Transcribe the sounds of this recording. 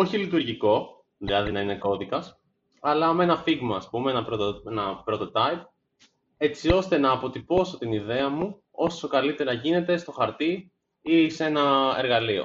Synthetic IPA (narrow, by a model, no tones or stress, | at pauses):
o̞çilit̪uɾʝiko̞ | ðilɐðinɐine̞ko̞ðikɐs | ɐlɐme̞nɐfiɣmɐːspumeenɐpɾot̪oenɐpɾo̞t̪o̞t̪ɐip̚ | e̞t͡sio̞st̪e̞nɐːpo̞t̪ipo̞so̞t̪iniðe̞ɐmu | o̞so̞kɐlit̪e̞ɾɐʝine̞t̪e̞st̪o̞xɐɾt̪i | ise̞nɐe̞̰ɾɣɐlio̞̰